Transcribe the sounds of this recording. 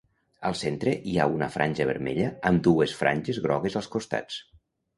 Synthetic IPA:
əlˠsent̪ɾeʔia̰unəfɾʔanʲʒəβ̞əɾmḛʎəːmd̪uesfɾʔa̰nʲʒezɣɾɔɣ̞ezəlˠskust̪a̰t͡s

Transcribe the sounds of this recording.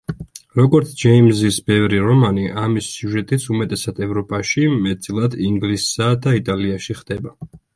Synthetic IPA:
ɾɔɡɔɾt̪sʰd͡ʒɛimzisbɛvɾiɾɔmaniʔamisːjuʒɛt̪ʼit̪sʰumɛt̪ʼɛsad̪ɛvɾɔpʼaʃimɛt̪t̪sʼilˠad̪iŋɡlisad̪ait̪ʼaliaʃiχd̪̥ɛba

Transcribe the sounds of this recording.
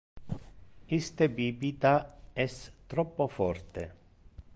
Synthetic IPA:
ist̪ebibit̪aɛst̪ɾɔpːofɔrt̪e

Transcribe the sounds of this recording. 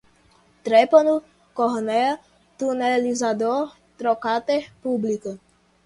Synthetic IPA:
t̪ɾɛpɔnu | kɔɦnɛ | t̪unɛlizad̪ɔɾ | t̪ɾɔkat̪ɛpublikə

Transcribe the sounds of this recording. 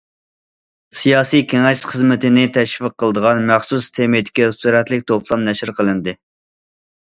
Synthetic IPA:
sijɑːsijkʲʰeŋɛʃχəzmɪt̪ʰɪnɪt̪ʰɛʃvəqːəlˠəd̪əʁɑnmæχsust̪ʰemid̪ɪ̥kʲisuɾɛt̪lɪkʲt̪ʰopʰlˠɑmnɛʃɪɾqʰəlˠɨnd̪ɨ

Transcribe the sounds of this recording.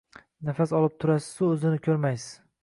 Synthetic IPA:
nafasɒlˠɪp̚t̪ʰʊɾasɪ̥ʊɵzɪnɪkʲʰɵɾmajsɪ̥

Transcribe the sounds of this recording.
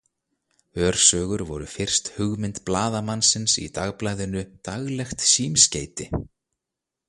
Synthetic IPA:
œːɾ̥sœːɣʏɾvɔɾʏfɪr̥st̪hʏɣmɪnt̪plaːðamansɪnsḭt̪aɣplaːjðɪnʏt̪aɣlɛxt̪siːmsceːjt̪ɪ

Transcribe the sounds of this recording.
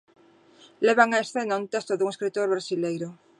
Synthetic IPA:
leβ̞aŋaesθenaunt̪est̪oðuŋeskɾit̪oɾβɾasilejɾʊ

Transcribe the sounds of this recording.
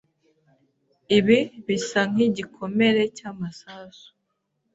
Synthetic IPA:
iβiβisaŋ̥iɟikʰo̞me̞ɾe̞caːmasaːsu̥

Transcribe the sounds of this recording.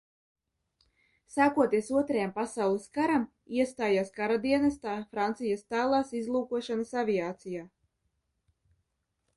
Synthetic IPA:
saːkuɔt̪iɛsuɔt̪ɾajampasawlˠiskaɾam | iɛst̪aːjaːskaɾad̪iɛnast̪aːfɾant̪sijast̪aːlˠaːsizlˠuːkuɔʃanasavʲijaːt̪sijaː

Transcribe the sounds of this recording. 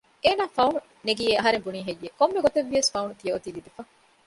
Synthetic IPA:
eːnaːfɐunu | neɡieɐɦɐɾembuniːɦejːekomːeɡot̪eʋːiɐsfɐunut̪ijɐot̪ilib̪efɐ

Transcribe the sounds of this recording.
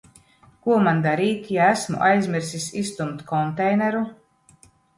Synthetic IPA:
kuɔmand̪aɾiːt̪ʲjaæsmṵʔajzʲmʲiɾsisʲist̪umt̪kʰɔnt̪ɛjnɛɾu

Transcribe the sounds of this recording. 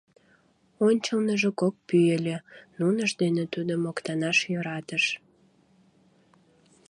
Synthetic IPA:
onʲt͡ɕəlnəʒekok̚pyelʲenunəʃd̪enet̪ud̪əmokt̪ɑnɑʃjøɾɑt̪əʃ

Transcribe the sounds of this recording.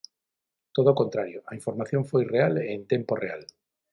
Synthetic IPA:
t̪oðokont̪ɾaɾjoaiɱfoɾmaθjoɱfojrealent̪emporeal

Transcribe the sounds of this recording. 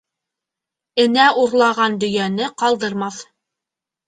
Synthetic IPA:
ɘ̆næʔuɾlˠɑʁɑnd̪ɵ̆jænɘqɑlˠd̪ɤ̆ɾmɑθ

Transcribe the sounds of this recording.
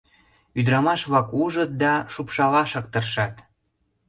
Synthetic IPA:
yd̪ɾɑmɑʃβɑkuʒə̆t̪̚d̪ɑʃupʃɑlɑʃɤ̆k̚t̪ərʃɑt̪

